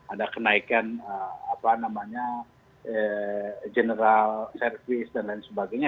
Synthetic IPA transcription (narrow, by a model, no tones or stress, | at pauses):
adakənaikanəapanamaɲa | əd͡ʒənəɾalsɛrfisdanlainsəbaɡajɲa